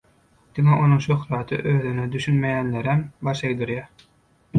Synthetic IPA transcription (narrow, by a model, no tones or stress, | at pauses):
d̪̥iŋeʔo̞nuŋʃøxlˠɑːt̪ʰɯ̰ʔøːðynød̪yʃynmejænleɾembɑʃejd̪ɯɾjæ